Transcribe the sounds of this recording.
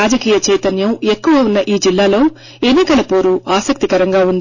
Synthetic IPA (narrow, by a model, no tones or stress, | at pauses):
aːd͡ʒɐkiːjɐt͡ʃɛːjt̪ɐnjɐme̞kːuʋɐunːɐʔiːd͡ʒilːaːlo̞ː | e̞nːikɐlɐpo̞ːɾuʔaːsɐk̚t̪ikɐɾɐŋɡaːund̪i